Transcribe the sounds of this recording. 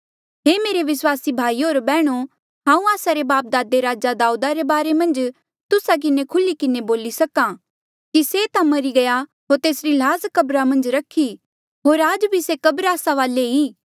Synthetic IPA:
ɦeːmeːɾeʋɪswaːsibʱaːioːɾbɛːɽ̃o | ɦãːũaːsaɾebaːp̚d̪aːd̪eɾaːd͡ʒad̪aːud̪aɾebaːɾemɐ̃nd͡ʒ | t̪ʊsak̬ɪnekʰʊlikɪneboːlisɐkã | kiset̪ãmɐɾiɡɐja | ɦoːɾt̪eːsɾilaːzkɐbɾamɐ̃nd͡ʒɾɐkʰi | ɦoːɾaːd͡ʒbʱisekɐbɾaːsaʋaːleiː

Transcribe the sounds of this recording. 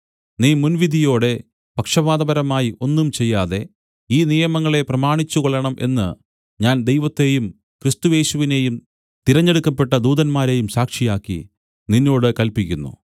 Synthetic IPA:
niːmunʋid̪ʱijo̞ːɽe̞ | pɐkʂɐʋaːðɐbɐɾɐmaːjiʔo̞nːumt͡ɕe̞jːaːðe̞ | iːnijɐmɐŋːɐɭe̞prɐmaːɳit͡ɕːukoɭːɐɳɐmʔe̞̰nːɨ | ɲaːnd̪e̞jʋɐt̪ːe̞ːjum | krist̪uje̞ːɕuʋine̞jum | t̪iɾɐɲːeɽukːɐpːe̞ʈːɐd̪uːðɐnmaːɾe̞jumsaːkʂijaːkːḭ | ninːo̞ːɽɨkɐlpikʲːunːṵ

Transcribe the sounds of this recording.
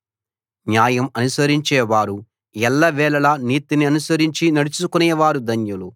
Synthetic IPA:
njaːjɐmɐnusɐɾiɲt͡ʃɛːʋaːɾu | jɛlːɐʋɛːlɐlɐniːt̪iniɐnusɐɾiɲt͡ʃinɐɽut͡ʃukunɛːʋaːɾud̪ɐɲjulu

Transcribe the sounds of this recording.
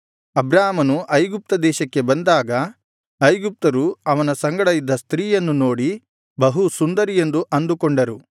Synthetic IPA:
ɐbɾaːmɐnuʔɐjɡup̚t̪ɐd̪ɛːʃɐkːe̞bɐnd̪aːɡɐ | ɐjɡup̚t̪ɐɾuɐʋɐnɐsɐŋɡɐɽɐjid̪ːɐst̪ɾiːjɐnːuno̞ːɽi | bɐɦusund̪ɐɾije̞nd̪uʔɐnd̪ukɔɳɖɐɾu

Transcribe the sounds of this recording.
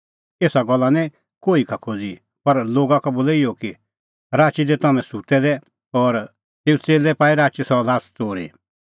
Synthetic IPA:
eːsaɡɔlːanĩ | koːikʰakʰod͡zi | pɐɾloːɡakaboːlɛɪjoki | ɾaːt͡ʃid̪ɛt̪ɐmɛ̃sut̪ɛd̪ɛ | ɔːɾ | t̪eːũt͡seːlɛpaːiɾaːt͡ʃisɔlaːst͡soːɾḛ

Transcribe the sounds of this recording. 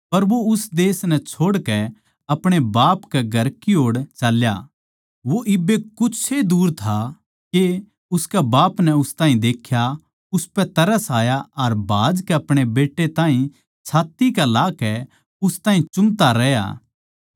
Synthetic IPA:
pɐɾʋoʊsd̪eːsnɛt͡ʃʰoːɽkɛ | ɐpɽ̃ebaːpkɛɡʱɐɾkiɦoːɽt͡ʃɐlja̰ | ʋoʔɪbːekʊed̪uːɾt̪ʰa | ke | ʊskɛbaːpnɛʊst̪aːɦĩd̪eːkʰja | ʊspɛt̪ɐɾəsaːjaɐɾbʱaːd͡ʒkɛɐpɽ̃ebeːʈːet̪ãːĩ | t͡ʃʰaːt̪ikalaːkɛ | ʊst̪aːɦĩt͡ʃʊmt̪aɾɛja̰ː

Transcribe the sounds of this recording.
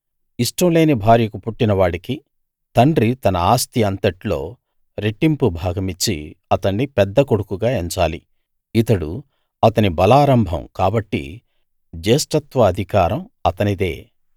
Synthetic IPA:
iʂʈɐwle̞ːnibʱaːɾjɐkupuʈːinɐʋaːɽiki | t̪ɐɳɖɾit̪ɐnɐaːst̪iɐnt̪ɐʈlo̞ː | ɾeʈːimpubʱaːɡɐmit͡ʃːḭɐt̪ɐɳːipɛd̪ːɐkoɽukuɡaːeɲt͡ʃaːli | it̪ɐɽṵ | ɐt̪ɐnibɐlaːɾɐmbʱɐ̰mkaːbɐʈːḭ | d͡ʒeːsʈɐt̪ʋɐːd̪ʱikaːɾɐmɐt̪ɐnid̪e̞̰ː

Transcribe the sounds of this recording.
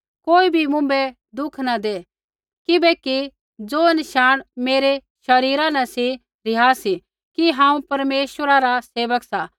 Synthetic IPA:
koːibʱimʊ̃mbɛ | d̪ʊkʰnad̪e | kɪbɛki | d͡zoːɐnɪʃaːɽ̃meːɾe | ʃɐɾiːɾãnɛsi | ɾɪjaːsi | kiɦãːũpɐɾmeːʃwəɾaɾaseːʋəksa

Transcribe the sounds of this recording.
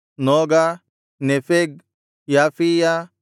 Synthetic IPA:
nɔːɡa | nefeɡ̚ | jaːfija

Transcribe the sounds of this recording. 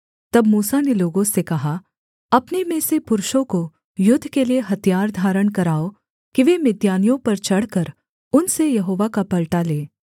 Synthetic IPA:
t̪ɐbmuːsaneloːɡõsekɐɦa | ɐpnemẽːsepʊɾʊʃõko | jʊd̪ʱːkelieɦɐt̪ijaːɾd̪ʱaːɾəɽ̃kɐɾaːo | kiʋeːmɪd̪jaːnijõpɐɾt͡ʃɐɽ̤kɐɾ | ʊnsejɐɦoːʋakapɐlʈaleː

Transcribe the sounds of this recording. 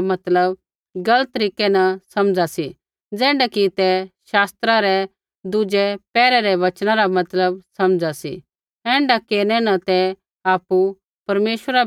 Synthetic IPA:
mɐt̪ləb | ɡɐlət̪ːɾiːkɛnɐsɐmd͡zasi | d͡zɛ̃ːɳɖakit̪ɛʃaːst̪ɾaɾɛ | d̪ʊd͡ʒɛpɛːɾɛɾɛʋɐt͡ʃñãɾamɐt̪ləb̚sɐmd͡zasḭ | ɛ̃ːɳɖakeːɾñɛnɐt̪ɛ | aːpu | pɐɾmeːʃəɾa

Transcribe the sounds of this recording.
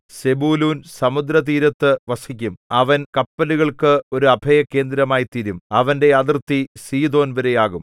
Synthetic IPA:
se̞buːluːnsɐmud̪ɾɐt̪̬iːɾɐt̪ːɨʋɐsikʲːumɐʋɐnkɐpːɐluɣɐɭkɨo̞ɾuɐbʱɐjɐkːe̞ːnd̪ɾɐmaːjit̪iɾumɐʋɐnde̞ad̪rt̪ːisiːd̪o̞ːnʋɐɾejaːɣum

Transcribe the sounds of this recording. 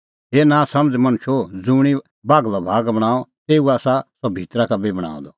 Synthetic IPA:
ɦeːnãːsɐ̃md͡zmɐ̃ñʊʃʰod͡zũːɽ̃i | baːɡlɔbʱaːɡbɐɽ̃aːɔt̪eːuaːsasɔbʱiːt̪ɾakabibɐɽ̃a̰ːɔ̰̃d̪ɔ

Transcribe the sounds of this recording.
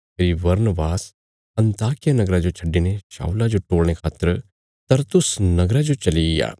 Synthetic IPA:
pʰeːɾiʋɐɾnəʋaːs | ɐ̃nt̪aːkɪjanɐɡɾad͡ʒot͡ʃʰɐɖːineʃa̰ːʊlad͡ʒoʈoːɽɽ̃ekʰaːt̪ːəɾ | t̪ɐɾt̪ʊsnɐɡɾad͡ʒot͡ʃɐlija̰ː

